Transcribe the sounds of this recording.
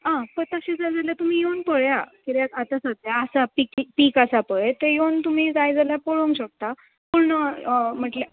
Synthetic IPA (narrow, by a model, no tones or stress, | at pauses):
ɦãpəɾt̪əɕẽd͡zajd͡zaljat̪um̤iːjewnpəɽjakiɾjakat̪asəd̪jaːsapikpiːkasapəɭet̪ejewnt̪um̤iːd͡zajd͡zaljapəɽomɕək̚t̪a | puɽɳəm̤əʈle